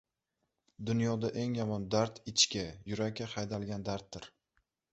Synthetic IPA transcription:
d̪ʊnjɒd̪aʔe̞ŋjɒmɒnd̪aɾt̪ʰɪt͡ʃkʲajʊɾakʲːahajd̪alˠɡʲand̪aɾt̪̚ːɪɾ

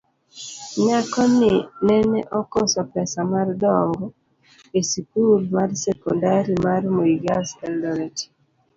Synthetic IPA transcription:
ɲakɔnɪnɛnɛʔɔkɔsɔpɛsamardɔŋɡɔ | esikuɾmarsɛkɔndaɾimarmoiɡasɛldɔɾɛti̥

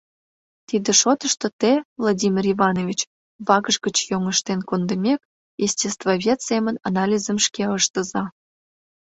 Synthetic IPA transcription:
t̪id̪eʃot̪əʃt̪ot̪evlˠadʲimʲirivɑnovʲit͡ɕ | βɑɣəʒɡət͡ɕjoŋəʃt̪enkond̪əmʲek̚ | jesʲtʲest̪voβʲet̪semənɑnɑlʲizəmʃkeəʃt̪əzɑ

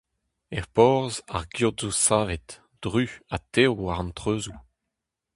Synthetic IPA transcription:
ɛʁpɔʁzaʁɡjuʁdzusaːvɛt | d̥ʁyat̪ewwaʁɑ̃ntχøːzu

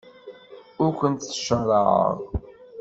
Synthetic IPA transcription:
ʊɾkʷənt̪θʃərˤɑʕə̰ʁˤ

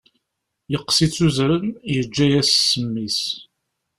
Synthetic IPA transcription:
jəqːsit͡sːuzɾənjəd͡ʒːæjæssːəmːis

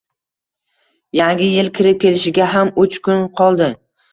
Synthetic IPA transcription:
jaŋɡʲɪjɪlkʲʰɪɾɪp̚kʲʰe̞lɪʃɪɡʲaɦamʊt͡ʃkʰʊnqʰɒlˠd̪ɪ

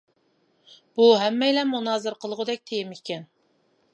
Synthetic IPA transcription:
b̥uɦɛmːɛjlɛmunɑːzɨɾqʰəlˠʁʊd̪ɛk̚ʲt̪ʰejɪmikʲɛn

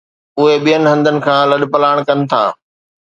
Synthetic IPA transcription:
ʊɦeɓijənɪ̆ɦɐ̃nd̪ʱənɪ̆kʰãːlɐɗ̆pɐlaːɪɽ̃kɐnɪ̆t̪ʰa̰ː

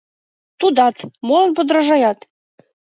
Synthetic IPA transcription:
t̪ud̪ɑt̪molˠə̆nbŏd̪ɾəʒɑjɑt̪

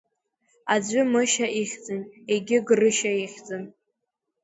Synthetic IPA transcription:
ad͡ʒʷʊmɨʃaʔiχʲd͡zɨneɡʲɪɡrɨʃaiχʲd͡zɨn

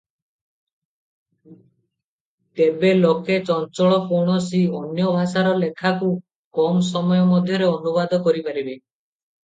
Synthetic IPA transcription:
t̪ebeloket͡ʃɔnt͡ʃɔɭɔpʰoɽ̃ɔsiɔnjɔbʱasaɾɔlekʰaku | kɔms̬ɔmɔjɔmɔd̪ʱjɔɾeɔnubad̪ʱɔkɔɾipaɾibe

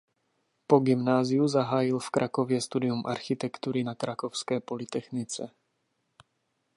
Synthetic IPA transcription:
po̞ɡɪmnaːzɪjuzaɦaːjɪlfkɾʔakovjɛst̪udɪjumʔa̰ɾxɪt̪ɛkt̪uɾɪnakɾʔakofskɛːpo̞lɪt̪ɛxnɪt͡sɛ

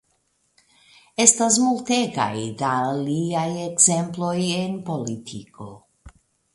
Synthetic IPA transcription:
est̪as̬mult̪eka̰jd̪aliajeɡzemplojenpolit̪ʰiko

